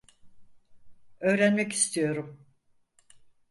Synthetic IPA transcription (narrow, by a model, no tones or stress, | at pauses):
ø̞ːɾænmɛci̥st̪ʰijo̞ɾum